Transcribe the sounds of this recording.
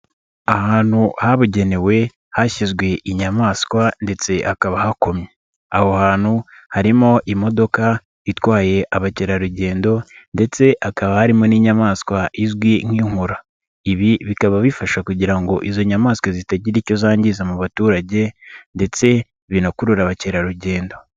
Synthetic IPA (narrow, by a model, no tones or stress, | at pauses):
ahaːn̥huhaβuɟe̞ne̞we̞ | haçizɡwe̞ʔiɲamaːskwande̞t͡se̞ʔakaβahako̞mɲe | ahohaːn̥hu | haɾimo̞ʔimo̞do̞ka | itwaːje̞ʔaβaciɾaɾuɟe̞ːndo̞nde̞t͡se̞ʔakaβahaɾimoniːɲamaskwaʔizɡwiŋiːŋuɾa | iβiβikaβaβifaʃakuɟiɾaŋɡo̞ʔizo̞ɲamaːskwazitaɟiɾico̞zaːɲɟizamuβatuːɾaɟe̞nde̞t͡se̞ | βinakuɾuɾaβaceɾaɾuɟe̞ːndo̞